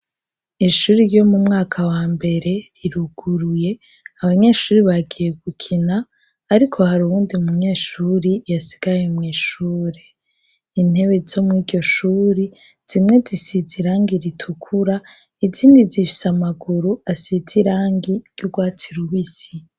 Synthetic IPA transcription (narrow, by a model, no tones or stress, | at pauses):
iʃuːɾiɾjo̞mumŋaːkʰawaːmbe̞ɾe̞ɾiɾuɡ̥uɾuje̞ | aβaɲe̞ːʃuːɾiβaɡije̞ɡukʰinaː | ɾikʰo̞haɾuβuːndiumuɲe̞ːʃuːɾijasi̥ɡ̥ajemŋiːʃuːɾe | in̥e̞βe̞zo̞mŋiːdɟo̞ʃuːɾi | z̥imŋe̞zisiziɾaːŋɡiɾitʰukʰuɾa | iziːndizifi̥samaɡuɾuasid͡ziɾaːŋɡiɾɟuɡwaːtʰiɾuβisi